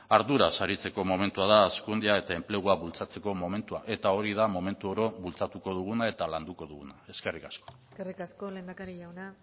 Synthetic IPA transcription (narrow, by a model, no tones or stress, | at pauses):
aɾðuɾasaɾit͡se̞ko̞mo̞me̞nt̪uaðaːskund̪iae̞t̪ae̞mple̞ɣ̞uaβult͡sat͡se̞ko̞mo̞me̞nt̪uaʔe̞t̪ao̞ɾið̞amo̞me̞nt̪uo̞ɾo̞βult͡sat̪uko̞ð̞uɣ̞unae̞t̪aland̪uko̞ðuɣunae̞ske̞rikasko̥eskerikasko̞lend̪akaɾiʝawna